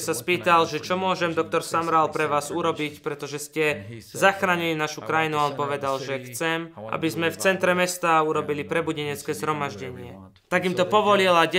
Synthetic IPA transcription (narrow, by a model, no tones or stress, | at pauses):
saspiːt̪alʒɛt͡ʃɔmʊɔʒɛmd̪ɔk̚t̪ɔɾsamɾalpɾɛʋaːzuɾɔbicpɾɛt̪ɔʒɛscɛzaxɾaːɲilinaʃukɾajinuanpɔʋɛd̪alʒɛxt͡sɛmʔa̰bizmɛft͡sɛnt̪ɾɛmɛst̪auɾɔbilipɾɛbuɟɛɲɛt͡skɛːzɦɾɔmaʒɟɛɲɪɛ | t̪aɡimt̪ɔpɔʋɔlilaɟɛ